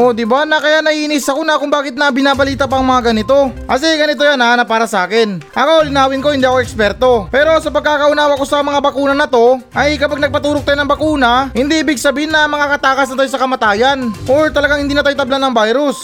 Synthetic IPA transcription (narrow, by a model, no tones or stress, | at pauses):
ʔo̞d̪ɪbanɐkɐjaʔnɐhiʔɪnɪsɐkonɐkʊŋbaːkɪt̪̚nɐbɪnaːbɐliːt̪ɐpɐʔŋmɐŋaɡɐnɪt̪o̞ʔɐs̬ɛɡɐnɪt̪o̞janːɐaːnɐpaːɾɐsɐaːkɪnʔɐkolɪnaːwɪnko̞hɪnd̪iːɐkoʔɛkspɛɾt̪o̞pɛːɾo̞sɐpɐɡ̚kakɐʔʊnaːwɐko̞sɐmɐŋabɐkuːnɐnɐt̪o̞ʔɐjkɐpaɡ̚nɐɡ̚pɐt̪uːɾok̚t̪aːjonɐŋbɐkuːnɐhɪnd̪iʔɪbɪɡsɐbiːhɪnːɐmɐŋakɐt̪aːkɐsnɐt̪ajsɐkɐmɐt̪aːjanʔoɹt̪ɐlɐɡaŋhɪnd̪iːnɐt̪ajt̪ɐblanɐŋbajɾʊs